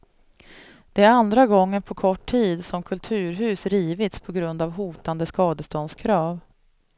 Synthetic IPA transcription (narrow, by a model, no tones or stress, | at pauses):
d̪̥ɛæɾand̪ɾaɡɔŋːənpʰɔkʰɔʈʰːiːd̪sɔmkʰɵlt̪ʰʉ̟ːɾɦʉ̟ːsɾiːvɪt̪spʰɔɡɾɵnd̪avɦuːt̪and̪əskɑːd̪əst̪ɔnskʰɾɑːv